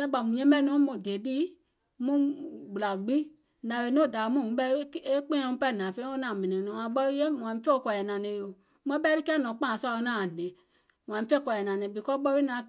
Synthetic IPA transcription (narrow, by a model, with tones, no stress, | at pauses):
kɛ˦ɓa˨mũ˨ɲɛ̃˦bɛ˦nɔ̃˨˦mũ˨de˨di˦ | mũ˦ɡ͡bu˨la˨ɡ͡bi˦ | nã˨ɓe˨˧˦nõ˦˨da˨˦mũ˦˨˦ɓɛ˧˦e˦k͡pẽ˦ɛ̃˧mũ˦pɛ˦˨nã˨fẽ˦o˦nã˨mɛ̃˨nɛ̃˨nɔ̃˨ã˨ɓɔ˧li˦je˦mũ˨ã˨ĩ˧˦fe˦o˨˦kɔ˧˨ɛ˨nã˨nɛ̃˨˧˦jo˨ | mɛ̃˧˦ɓɛ˧˦ɾi˦kɛ˦nɔ̃˨˦k͡pã˦˨sɔ˧o˧˦nãː˨a˨le˨ | m̃˨ã˨ĩ˨˦fe˦˨kʷɔ˨ɛ˨nã˨nɛ̃˨bi˨kɔ˦ɓɔ˧˦ɾi˦nã˨˦